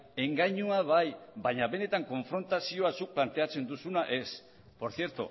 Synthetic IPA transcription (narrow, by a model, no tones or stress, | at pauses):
e̞ŋɡajɲuaβajβaɲaβe̞ne̞t̪aŋko̞ɱfɾo̞nt̪asio̞asuk̚plant̪e̞at͡se̞nd̪usunaʔe̞s | po̞ɾθje̞ɾt̪ṵ